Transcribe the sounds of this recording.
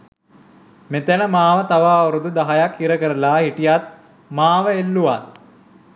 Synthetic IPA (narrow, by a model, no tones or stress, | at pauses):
met̪ænəmaːʋət̪aʋaːuɾud̪ud̪aɦajakhiɾəkəɾəlaːɦiʈijat̪̚ | maːʋəelːuʋat̪